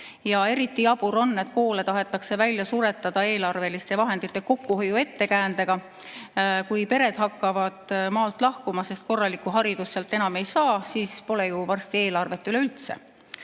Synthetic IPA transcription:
jɑe̞ɾit̪ːˑiɑbuɾo̞nːe̞t̪ko̞ːle̞t̪ɑɦe̞t̪ːˑɑkse̞vælʲjɑsuɾe̞t̪ːˑɑd̪̥ɑe̞ːlɑrve̞list̪e̞vɑɦe̞nd̪̥it̪ːˑe̞ko̞kːˑuhojue̞t̪ːe̞kæːnd̪e̞ɡ̥ɑ | kujpe̞ɾe̞d̪̥hɑkˑːɑvɑd̪̥mɑːlt̪ːˑlɑhkumɑse̞st̪̚ko̞rːɑlikːˑuɦɑɾid̪̥usːelt̪ːˑe̞nɑme̞jsɑːsiːspo̞lejuvɑrst̪ie̞ːlɑrve̞t̪ːˑyle̞ylt̪se̞̰

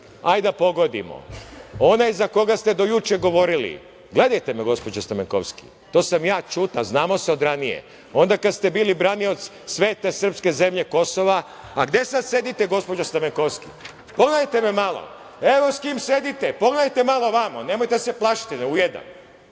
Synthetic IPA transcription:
ajd̪apo̞ɡo̞d̪ḭmo̰o̞najzako̞ɡast̪ed̪o̞jut͡ʃeɡo̞ʋo̞ɾilḭ | ɡle̞d̪ajt̪e̞meɡo̞spo̞d͡ʒast̪ameŋko̰wski̥̰ | t̪o̞ːsamjaːt͡ʃut̪aznaːmo̞seo̞d̪ɾanijḛ | o̞nd̪akad̪st̪e̞biːlibɾanio̞t̪s | sʋeːt̪e̞sr̩pske̞ze̞mʎe̞ko̞soʋa | aɡd̪je̞sad̪se̞d̪it̪eɡo̞spod͡ʒast̪ameŋkoʋskḭ | po̞ɡlajt̪ememalˠo̰ | e̞ʋoskimse̞d̪it̪epo̞ɡlat̪e̞malo̞ʋamane̞mojt̪e̞seplˠaʃt̪eneujed̪a̰n

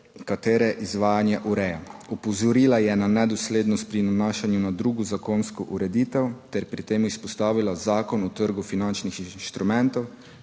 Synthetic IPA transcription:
kat̪eːɾɛʔizʋaːjanjɛʔuɾɛjaɔpɔzɔɾiːlajɛnanɛd̪ɔsleːd̪nɔst̪̚pɾinanaːʃanjunad̪ɾuːɡɔzakoːnskɔʔuɾɛd̪iːt̪ɛwt̪ɛɾpɾit̪eːmuispɔst̪aːʋilazaːkɔnut̪əɾɡufinant͡ʃnixinʃt̪ɾumɛ̃nt̪ɔw

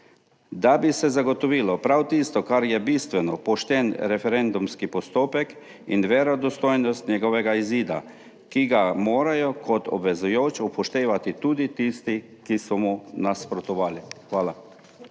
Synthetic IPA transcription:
d̪abisɛzaɡɔt̪ɔʋiːlɔpɾawt̪ist̪ɔkaɾjɛbist̪ʋɛnɔpɔʃt̪ɛnɾɛfɛɾɛnd̪umskipɔst̪oːpɛk | ḭnʋɛɾɔd̪ɔst̪oːjnɔst̪nʲɛɡɔʋɛɡaiziːd̪a̰ | kiɡamoːɾajɔkʰɔt̪ɔ̰bʋɛzujoːt͡ʃupɔʃt̪eːʋat̪it̪uːd̪it̪ist̪i | kisɔmunaspɾɔt̪ɔʋaːlixʋaːla

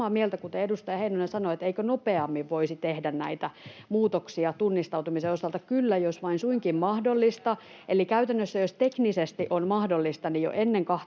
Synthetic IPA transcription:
ɑːmielt̪ækut̪eedust̪ɑjɑheinonensɑnoet̪eikønopeɑmːiʋʋoisit̪ehdænnæit̪æmuːt̪oksiɑt̪unːist̪ɑuwt̪umiseosɑlt̪ɑkylːæjosʋɑinsuiŋkimmɑhdolːist̪ɑ | elikæyt̪ænːøsːæjost̪eknisest̪iʔonmɑhdolːist̪ɑnijo̰ʔenːeŋkɑh

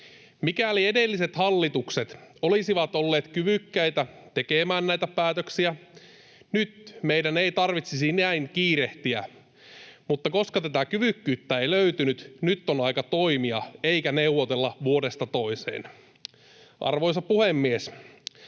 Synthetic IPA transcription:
mikæliedelːiset̪hɑlːit̪ukset̪olisiʋɑt̪olːeːt̪kyʋykːæjt̪æt̪e̞kemæːnnæjt̪æpæːt̪øksiæ | nyt̪mejdæneit̪ɑrʋit̪sisinæiŋkiːɾeht̪iæ | mut̪ːɑko̞skɑt̪æt̪ækyʋykːyːt̪ːæeiløyt̪ynyt̪nyt̪ːonɑikɑt̪oimiɑeikæneuʋot̪elːɑʋuodest̪ɑt̪o̞isḛːn | ʔɑ̰rʋojsɑpuhemːies

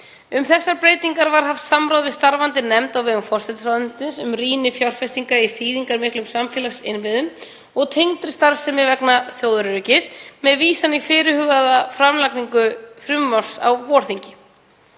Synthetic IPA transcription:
ʏmθɛsːaɾpɾeːjt̪iŋkaɾvaɾ̥ɦaft̪samɾowðvɪðst̪aɾvant̪ɪnɛmt̪awvɛːɣʏmfɔr̥sɛt̪saðʏnsɪnsʏmriːnɪfjawr̥fɛst̪iŋkaiθiːðiŋkaɾmɪhklʏmsamfjɛːlasɪ̰nvɪðʏm | ɔɣt̪ʰejŋt̪ɾɪst̪aɾsɛmɪvɛknaθjoːwðʏɾɾʏːcɪsmɛðviːsanifɪːɾɪhʏːɣaðafɾamlakniŋkʏfɾʏmːar̥sa̰wvɔːɾ̥θiɲcɪ

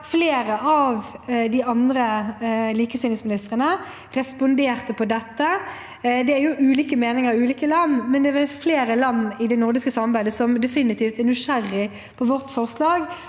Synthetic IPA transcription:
fleːɾəɑʋd̪ɪɑnd̪ɾəliːkəst̪iːnɪŋsmɪnɪst̪ʁənə | ɾɛspʊnd̪eːʁt̪əpʰɔd̪ɛt̪ːə | d̪ɛæɾjʊʔʉːliːkəmeːnɪŋəɾʉːliːkəlɑnːmɛnd̪ɛɛfleːɾəlɑnːɪd̪ɛnʊʁd̪ɪskəsɑmːɑʁbæɪd̪əsɔmd̪ɛfɪnːɪt̪ʰiːft̪æʁnʉʂæɾɪ | pʰɔʋɔʁt̪fɔʁslɑːɡ

